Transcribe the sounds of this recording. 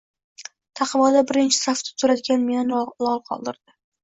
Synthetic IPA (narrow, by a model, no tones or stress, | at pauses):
t̪ʰɑqʰɨmɒd̪abɪɾɪnt͡ʃʰɪ̥saft̪ʰɪ̥t̪ʰʊɾad̪ɪɡʲanmenɪnlˠɒlˠqʰɒ̰lˠd̪ɪɾd̪̥ɪ